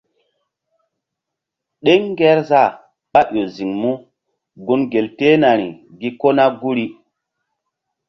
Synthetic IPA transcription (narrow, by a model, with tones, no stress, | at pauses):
ɗe˦ŋ˦ɡɛ˦ɾza˦˨ | ɓa˦ʔo˨zi˨ŋmu˦ | ɡu˦nɡe˨lte˦na˨ɾḭ˨ | ɡi˦ko˦na˦ɡu˦ɾi˦